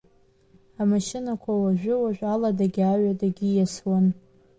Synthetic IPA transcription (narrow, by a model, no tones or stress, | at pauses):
amaʃɪnakʷʰawaʒᶣʷɪwaʒʷᶣaladaɡʲaɥadaɡʲijaswan